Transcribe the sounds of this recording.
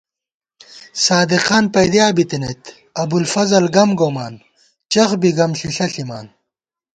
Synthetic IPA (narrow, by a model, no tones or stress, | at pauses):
saːd̪iqaːnpɐjd̪jaːbit̪inɐt̪ | ɐbulfɐzɐlɡɐmɡoːmaːn | t͡ɕɐxbiɡɐmɕiɬɐɬima̰ːn